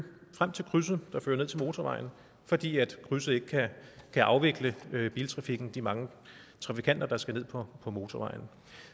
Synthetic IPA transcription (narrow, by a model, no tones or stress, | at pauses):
fʁam̰t͡sʰe̝lkʰʁys̬ð̩d̥ɑ̈fø̰ːɐne̝ð̰ˠt͡sʰe̝lmo̝ːt͡sʰɒʋɑ̈ɪn̩ | fɒ̽d̥ḭːæd̥kʰʁysð̩ˠe̝ɡ̥əkʰækʰæʔɑ̈ʊʋe̝ɡ̥ləb̥ḭːlt͡sʰʁɑ̈fiɡ̥n̩d̥imɑ̈ŋə | t͡sʰʁɑ̈fikʰæn̰d̥ɐd̥ɑ̈sɡ̥æne̝ð̰ˠpʰɒ̽pʰɒ̽mo̝ːt͡sʰɒʋɑ̈ɪn̩